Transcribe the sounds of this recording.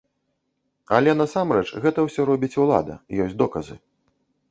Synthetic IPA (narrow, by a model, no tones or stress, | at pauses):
ɐ̰lʲɛnɐsamɾɛt͡ʂɣɛt̪ɐwsʲɔɾɔbʲit͡sʲulˠa̰d̪ɐ̰jɔsʲd̪ɔkɐzɨ̰